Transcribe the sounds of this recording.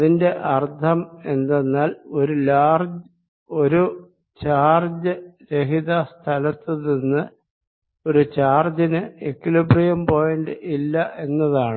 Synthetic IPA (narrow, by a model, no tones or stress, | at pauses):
ɐðinde̞ʔɐrd̪ʰʱɐme̞nd̪enːaːlo̞ɾulaːrd͡ʑ | oɾu | t͡ɕaːrd͡ʑɨɾeɦiðast̪ʰɐlɐt̪ːɨninːɨ | o̞ɾut͡ɕaːrd͡ʑɐnɨekːilibrijɐmpo̞ːjɐɳɖɨʔilːɐʔe̞nːɐðaːɳɨ